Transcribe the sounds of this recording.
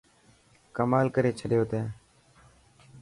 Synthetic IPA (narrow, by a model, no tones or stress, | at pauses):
kəmaːlkəɾeːt͡ʃʰəɗjoːt̪eː